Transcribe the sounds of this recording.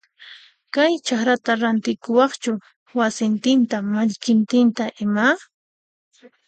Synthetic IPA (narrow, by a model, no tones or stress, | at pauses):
kajt͡ʃaχɾat̪aɾant̪ɪkʊwɑχt͡ʃʊ | wasɪnt̪ɪnt̪amaʎkɪnt̪ɪnt̪aʔɪma